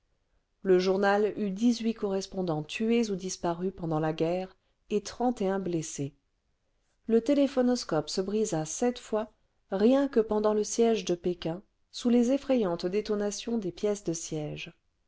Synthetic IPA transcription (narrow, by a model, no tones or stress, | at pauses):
ləʒuʁnalyd̪izɥikɔʁɛspɔ̃d̪ɑ̃t̪ʰyezud̪ispaʁypɑ̃d̪ɑ̃laɡʲɛːʁ | et̪χɑ̃t̪eɛ̃blese | lət̪elefɔnɔskɔpsəbʁizasɛt̪fwa | ʁjɛ̃kəpɑ̃d̪ɑ̃ləsjɛʒd̪əpekʲɛ̃ | sulezefχejɑ̃t̪d̪et̪ɔnasjɔ̃d̪epjɛsd̪əsjɛʒ